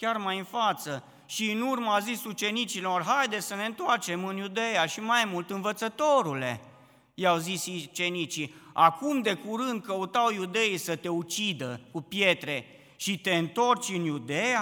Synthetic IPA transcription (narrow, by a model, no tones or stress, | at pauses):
kʲarmajɨnfat̪sə | ʃiːnurməazisut͡ʃe̞nit͡ʃilo̞rɦajd̪e̞səne̞ɨnt̪oart͡ʃe̞mɨnjud̪e̞jaʃimajmult̪ɨnvət̪sət̪o̞ɾule̞̰ | jawzisit͡ʃe̞nit͡ʃiakumd̪e̞kuɾɨnd̪̚kəut̪awjud̪e̞isət̪e̞ut͡ʃid̪əkupje̞t̪ɾe̞ | ʃit̪e̞ɨnt̪o̞rt͡ʃʲɨnjud̪eja